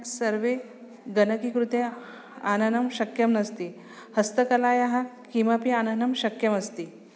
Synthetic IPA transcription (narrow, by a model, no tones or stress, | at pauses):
ksəɾʋe | ɡɐnəkikɾut̪e | anɐnɐmɕɐkjɐmnɐst̪i | həst̪əkɐlaːjaɦakĩʋapianɐnɐmɕɐkjɐmɐst̪i